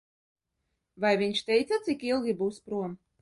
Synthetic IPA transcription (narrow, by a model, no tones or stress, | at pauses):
vajvʲiɲʲʃt̪ɛjt̪sat̪sikilˠɡʲibuːspɾuɔm